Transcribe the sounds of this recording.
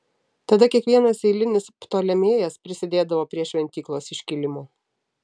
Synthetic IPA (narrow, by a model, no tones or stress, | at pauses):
t̪ɐd̪ɐkʲiɛkʋʲiɛnɐseɪlʲɪnʲɪspt̪oːlʲɛmʲeːjɛspʲɾʲɪsʲɪd̪ʲeːd̪ɐʋoːpʲɾʲiɛʃʲʋʲɛnʲt̪ʲiːklˠoːsɪʃʲkʲɪlʲɪmoː